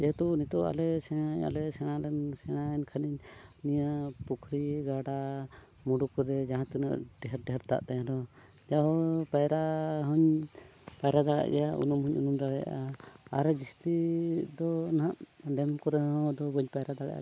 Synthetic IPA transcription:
d͡ʒɛt̪ɔnit̪ɔa̰lɛsɛɽ̃aɲa̰lɛsɛɽ̃alɛnsɛɽ̃aɛnkʰaniɲnijapukʰɾiɡaɖa | muɖukɔɾɛd͡ʒaɦãt̪ina̰ʔɖɛɦɛɾɖɛɦɛɾt̪a̰ʔt̪ajãd̪ɔ | d͡ʒaɦɔpajɾaɦɔɲ | pajɾad̪aɽa̰ʔɡɛjaʔṵnumɦɔɲunumɾaɽɛja̰ʔaaɾɛd͡ʒist̪id̪ɔnaʔɖɛmkɔɾɛɦɔ̃d̪ɔbɔɲpajɾad̪aɽa̰ʔa̰

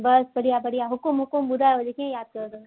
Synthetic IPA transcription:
bɐsbɐɽijabɐɽijaɦʊkʊmɦʊkʊmbʊd̪aod͡ʒekʰiẽjaːd̪̚kɐɾd̪o

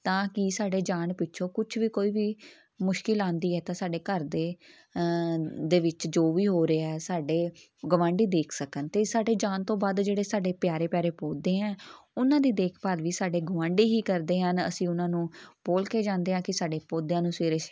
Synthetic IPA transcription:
t̪ãːkɪsaːɖeːd͡ʒaːnpɪtːʃʰõːkʊt͡ʃʰʋiːkoːiːʋiː | mʊʃkɪlãːnd̪iːɛːt̪ãːsaːɖeːkəɾd̪eː | d̪eːʋɪt͡ʃd͡ʒoːʋiːɦoːɾeːɛːsaːɖeː | ɡəʋãːɳɖiːd̪eːkʰsəkənt̪eːsaːɖeːd͡ʒaːnt̪õːbaːd̪d͡ʒeːɽeːsaːɖeːpjaːɾeːpjaːɾeːpoːd̪eːɛ̃ːʊnãːd̪iːd̪eːkʰpaːlʋiːsaːɖeːɡəʋãːɳɖiːɦiːkəɾd̪eːɦənə̰sĩːʊnãːnũːpoːlkeːd͡ʒãːnd̪eːɦãːkɪsaːɖeːpoːd̪jãːnũːsʋeːɾəʃ

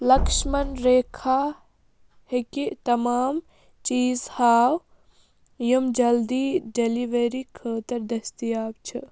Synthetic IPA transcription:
lɐkʃmɐnɾeːkʰaː | hekit̪ɐmaːm | t͡ʃiːzhaːw | jɐmd͡ʒɐld̪iːɖeliʋeɾikʰəːt̪ɐɾd̪ɐst̪ijaːb̚t͡ʃʰɨ

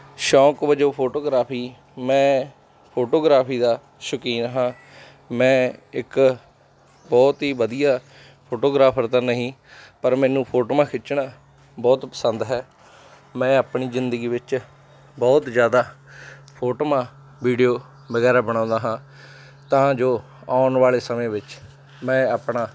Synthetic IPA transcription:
ʃɔːkʋəd͡ʒoːpʰoːʈoːɡɾaːpʰiː | mɛ̃ː | pʰoːʈoːɡɾaːpʰiːd̪aː | ʃəkiːnɦãː | mɛ̃ːɪk | bɔːt̪ɦiːʋəd̪ijaː | pʰoːʈoːɡɾaːpʰəɾt̪ãːnəɦĩːpəɾmɛ̃ːnũːpʰoːʈoːmãːkʰɪt͡ʃɳaː | bɔːt̪pəsənd̪ɦɛː | mɛ̃ːaːpɳiːzɪnd̪əɡiːʋɪt͡ʃ | bɔːt̪zjaːd̪aːpʰoːʈoːmãː | ʋiːɖijoː | ʋəɡɛːɾaːbəɽ̃ãːnd̪aːɦãː | t̪ãːd͡ʒoː | aːʊnʋaːleːsəmẽːʋɪt͡ʃ | mɛ̃ːaːpɳaː

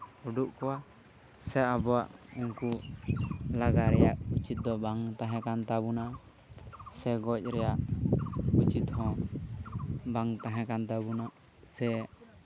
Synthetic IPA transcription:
uɖuʔkɔwa | sɛabɔaʔuŋku | laɡaɾɛjaʔut͡ʃit̪̚d̪ɔbaŋt̪aɦɛ̃kant̪abuna | sɛɡɔc̚ˀɾɛjaʔ | ut͡ʃit̪hɔ̃ | baŋt̪aɦɛ̃kant̪abunaʔ | sɛ

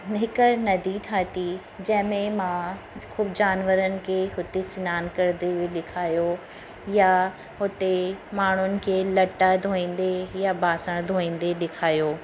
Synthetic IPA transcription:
ɦɪkənɐd̪ʱiʈʰaːt̪i | d͡ʑɐ̃ɦɪ̃mẽmã | xuːbd͡ʑaːnʋəɾənɪ̆kʰeɦʊt̪esɪnaːnkɐɾd̪eeɗɪkʰaːjo | ja | ɦʊt̪emaːɳ̤ʊnɪ̆kʰeːlɐʈad̪ʱoːĩːnd̪ejabaːsəɽ̃d̪ʱoːĩːn̆d̪eɗɪkʰaːjoː

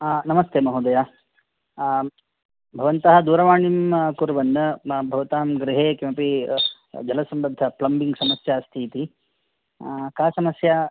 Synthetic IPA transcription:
nɐmɐst̪eːmɐɦud̪ɐjaː | bʱɐʋɐnt̪ɐɦɐ̆d̪uːɾɐʋaːɳimkuɾuʋɐnːɐbʱɐʋɐt̪aːmɡɾɪɦeːkjɐmɐpi | d͡ʒɐlɐsɐmɾɐd̪ʱːɐplɐmbiŋɡsɐmɐsjaːst̪ʰiːt̪i | kaːsɐmɐsjɐa

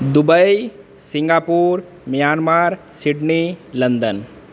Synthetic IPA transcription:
d̪ʊbəi | sɪ̃ŋɡaːpuːɾ | mijaːnmaːɾsɪʈnilənd̪ən

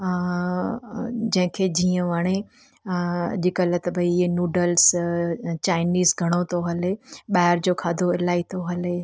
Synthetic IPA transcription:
d͡ʑɐ̃ɦɪ̃kʰed͡ʑiːə̃ʋaɽ̃e | ʄɪkələt̪ɐbʱɐienuːɖəls | t͡ɕaːɪniːzɡʱɐɽ̃ot̪ʰoɦɐleɓaːɦɪɾd͡ʑoːkʰaːd̪ʱoɪlaːit̪ʰoɦɐle

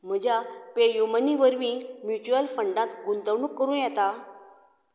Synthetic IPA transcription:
m̤əd͡ʑʱapejuməniʋəɾʋĩːmjut͡ɕuəlfəɳɖãt̪ɡund̪əʋɳukːəɾuːnjɛt̪a

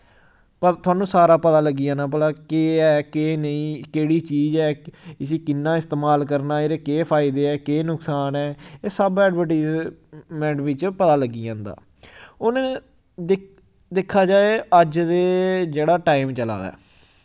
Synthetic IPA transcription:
pt̪ʰʊaːnũːsaːɾaːpət̪aːləɡːiːãːnãːp̬əlaːkeːɛːkeːnəĩːkeːɽiːt͡ʃiːzɛːɪsiːkɪnːãːɪst̪eːmaːlk̬əɾnaːeːɾeːkeːpʰaːɪd̪eːɛːkeːnʊksaːnɛːeːsəbɛːɖbəɾʈiːzmɛ̃ːɳʈʋɪt͡ʃpət̪aːləɡːiːãːnd̪a̰ː | oːnẽː | d̪ekʰːaːd͡ʒaːeːəd͡ʒd̪eːd͡ʒeːɽaːʈaːimt͡ʃəla̰ːd̪a̰ː

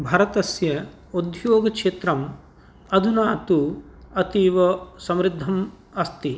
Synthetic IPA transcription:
bʱɐːɾɐt̪ɐsjɐ | od̪ʱjoːɡɐkʂeːt̪ɾɐm | ɐd̪ʱunaːt̪u | ɐt̪iːʋɐsɐmɾid̪ʱːɐm | ɐst̪i

